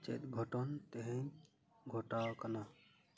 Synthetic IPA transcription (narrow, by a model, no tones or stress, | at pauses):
t͡ʃɛ̰t̪̚ɡʱɔʈɔnt̪ɛɦɛ̃j | ɡʱɔʈawkana